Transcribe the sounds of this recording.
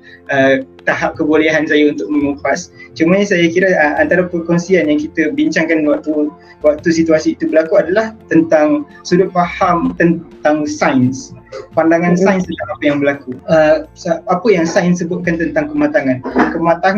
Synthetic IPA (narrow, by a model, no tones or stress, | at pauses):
ət̪aɦap̚kəboleɦansajaunt̪ʊk̚mə̃ŋufast͡ʃumaɲəsajakiɾəəant̪aɾapəkɔnsianjaŋkit̪əbiɲt͡ʃaŋkanwak̚t̪u | wak̚t̪usit̪uasiːt̪ubəlakuadalaht̪ənt̪aŋ | suɾʊt̪̚fahamt̪ənt̪aŋsajnspandaŋansainst̪ənt̪aŋapəjaŋbəlakuəsapəjaŋsajnsəbʊt̪̚kant̪ənt̪aŋkəmat̪aŋãnkəmat̪aŋ